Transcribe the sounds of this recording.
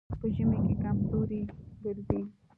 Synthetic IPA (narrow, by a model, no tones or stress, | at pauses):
pəʒəmekekamzoɾid̪ɪɾd̪i